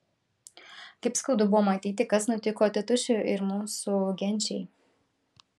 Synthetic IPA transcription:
kʲɐɪpskɐʊd̪ʊbʊʋɔːmɐt̪ʲiːt̪ʲɪkɐsnʊt̪ʲɪkoːt̪ʲɛt̪ʊʃʲʊʔɪɾmuːsuɡʲɛnʲt͡ʃʲɛj

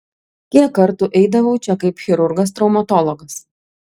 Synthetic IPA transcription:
kʲikːɐɾt̪ʊʔɛɪd̪ɐʋɐʊt͡ʃʲɛkɐɪpxʲɛɾʊɾɡɐs̬t̪ɾɒʊmɐt̪ɔlˠɔɡɐs

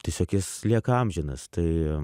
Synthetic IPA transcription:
t̪ʲisʲoːkʲɪslʲiɛkɐmʲʒʲɪnɐst̪ɐɪ

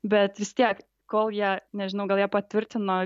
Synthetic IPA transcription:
bʲɛt̪ʋʲɪst̪ʲiɛk | koːlˠjæːnʲɛʒʲɪnɐʊɡɐlˠjæːpɐt̪ʲʋʲɪɾʲt̪ʲɪno

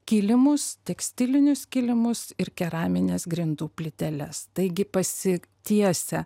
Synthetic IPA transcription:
kʲiːlʲɪmʊst̪ʲɛksʲt̪ʲɪlʲɪnʲʊskʲiːlʲɪmʊsɪɾkʲɛɾɑːmʲɪnʲeːsɡɾʲɪnd̪uːpʲlʲɪt̪ʲɛlʲɛst̪ɐɪɡʲɪpɐsʲɪt̪ʲiɛsʲɛ

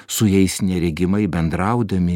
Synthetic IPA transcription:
sʊjɛɪsnʲɛɾʲɛɡʲɪmɐɪbʲɛnd̪ɾɑʊd̪ɐmʲɪ

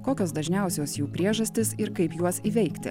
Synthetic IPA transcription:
koːkʲoːsd̪ɐʒʲnʲɛˑʊsʲoːsjuːpʲɾʲiɛʒɐsʲt̪ʲɪsɪɾkɐɪpjuɔsiːʋʲɛɪkt̪ʲɪ̰

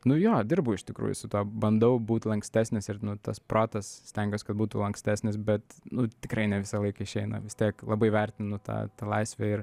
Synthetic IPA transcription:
nʊjoːd̪ʲɪrbʊɪʃt̪ʲɪkɾṵːjʊ̰sʊt̪uɔbɐnd̪ɐʊbuːt̪ʲlˠɐŋksʲt̪ʲæːsʲnʲɪsɪrnʊt̪ɐsproːt̪ɐssʲt̪ʲɛŋʲɡʲoːsʲkɐt̪̚buːt̪ulˠɐŋksʲt̪ʲæːsʲnʲɪs̬bʲɛt̪nʊt̪ʲɪkɾɐɪnʲɛʋʲɪsɐlˠɐɪkɐɪʃʲɛɪnɐ̰ʋʲɪst̪ʲiɛklˠɐbɐɪʋʲɛrʲt̪ʲɪnʊt̪ɑ̰ːt̪ɑːlˠɐɪsʲʋʲɛɪr

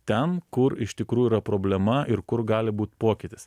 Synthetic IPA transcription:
t̪ʲɛnkʊɾɪʃt̪ʲɪkɾuːjuiːɾɐpɾoːbʲlʲɛmɐɪɾkʊɾɡɑːlʲɪbuːt̪poːkʲɪt̪ʲɪs

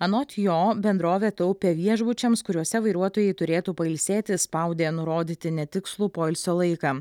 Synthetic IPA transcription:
ɐnoːt̪ʲjoːbʲɛnd̪ɾoːʋʲɛt̪ɐʊpʲɛʋʲiɛʒbʊt͡ʃʲɛmskʊɾʲuɔsʲɛʋɐɪɾuɔt̪oːjɛɪt̪ʊɾʲeːt̪uːpɐɪlʲsʲeːt̪ʲɪspɐʊd̪ʲeːnʊɾoːd̪ʲiːt̪ʲɪnʲɛt̪ʲɪkslˠuːpoːɪlʲsʲoːlˠɐɪkɐː

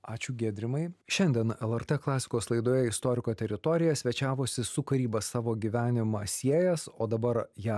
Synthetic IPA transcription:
ɑːt͡ʃʲʊɡʲeːd̪ʲɾʲɪmɐɪʃʲɛnʲd̪ʲiɛnɛlˠɛɾt̪ɛklˠɑːsʲɪ̥koːslˠɐɪd̪oːjɛɪst̪oːɾʲɪkoːt̪ʲɛɾʲɪt̪ɔːɾʲɪjɛsʲʋʲɛt͡ʃʲæːʋoːsʲɪsʊkɐɾʲiːbɐsɑːʋoːɡʲiʋʲæːnʲɪmɐsʲiɛjɛsoːd̪ɐbɐɾjæ

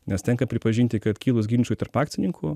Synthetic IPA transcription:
nʲɛst̪ʲɛŋkɐpʲɾʲɪpɐʒʲinʲt̪ʲɪkɐt̪kʲiːlˠʊsɡʲiːnʲt͡ʃʲuːt̪ɐɾpɑːk̪̚sʲɪnʲɪŋkʰʊ

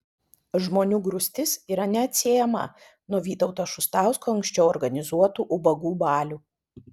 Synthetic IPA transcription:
ʒmoːnʲuːɡɾʊsʲt̪ʲɪsiːɾɐnʲɛɐt̪ʲsʲeːjɛmɐ̰ | nuɔʋʲiːt̪ɔʊt̪oʃʊst̪ɑˑʊskoːɐŋʲksʲt͡ʃʲɛʊɔɾɡɐnʲɪzuɔt̪uːʔʊbɐɡuːbɑːlʲuː

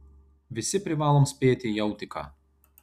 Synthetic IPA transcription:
ʋʲɪsʲɪpʲɾʲɪʋɑːlˠoːmsʲpʲeːt̪ʲɪjɛʊt̪ʲɪkɑ̰ː

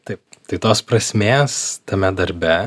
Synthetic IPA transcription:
t̪ɐɪpt̪ɐɪt̪oːspɾɐsʲmʲeːst̪ɐmʲɛd̪ɐɾʲbʲɛ

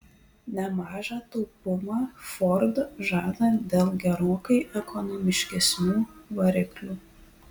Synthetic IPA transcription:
nʲɛmɑːʒɑːt̪ɔʊpʊmɑːfɔɾd̪ʒɑːd̪ɐd̪ʲeːlˠɡʲɛɾoːkɐɪʔɛkʰɔnɔmʲɪʃʲkʲɛsʲnʲuːʋɐɾʲɪklʲuː

